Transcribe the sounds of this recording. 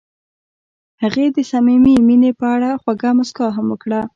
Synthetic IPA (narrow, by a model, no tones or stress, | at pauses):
haɣed̪əsamimeminepəaɽaxwaɡamʊskɑɦamwəkɽa